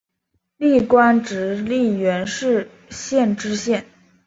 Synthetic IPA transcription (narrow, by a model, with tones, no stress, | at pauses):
li˥˩kwa˥nʈ͡ʂɻ̩˧˥li˥˩ɥɛ˧˥nʂɻ̩˥˧ | ɕjɛ˥˩nʈ͡ʂɻ̩˥ɕjɛ˥˩n